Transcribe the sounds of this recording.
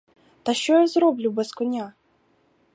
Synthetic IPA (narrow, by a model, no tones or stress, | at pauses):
t̪ɐʃt͡ʃɔjazɾɔblʲubɛskɔnʲa